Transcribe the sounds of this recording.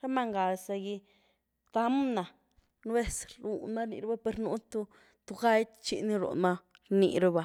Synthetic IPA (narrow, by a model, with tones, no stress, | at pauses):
ɾa˦ma˧ŋɡa˨sa˧ɡi˧ | t̪a˧˦mna˨ | n˦e˦sɾu˨nma˦ɾnḭ˧ɾba˦pe˧ɾnu˧˦t̪u˧ | t̪u˧ɡa˦jt̪t͡ʃḭ˧ni˧ɾṵ˨na˧ | ɾnḭ˧ɾa˧ba˨